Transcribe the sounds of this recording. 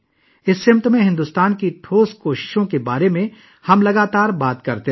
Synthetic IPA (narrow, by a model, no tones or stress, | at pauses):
ɪsːɪmt̪mẽɦɪ̃nd̪uːst̪aːnkiʈʰoːskoːʃɪ̥ʃõkebaːɾemẽ | hɐmlɐɡaːt̪aːɾbaːt̪kɐɾt̪e